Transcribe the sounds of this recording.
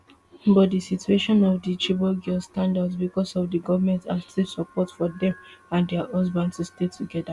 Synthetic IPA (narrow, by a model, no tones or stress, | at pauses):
bɔt̚disitueʃɔ̃nɔfdit͡ʃibɔɡɔstãndadsbikɔsɔvdiɡɔvmɛ̃ntastisɔpɔtfɔdɛ̃mãndɛhɔzbãndstustetuɡɛda